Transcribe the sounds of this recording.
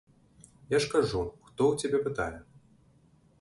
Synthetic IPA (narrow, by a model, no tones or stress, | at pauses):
jaʂkaʐuxt̪ɔwt͡sʲabʲɛpɨt̪a̰jɛ